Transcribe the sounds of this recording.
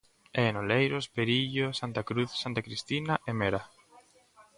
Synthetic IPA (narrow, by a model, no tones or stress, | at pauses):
ɛenolejɾospeɾiʎosant̪akɾuθsant̪akɾist̪inaʔemeɾa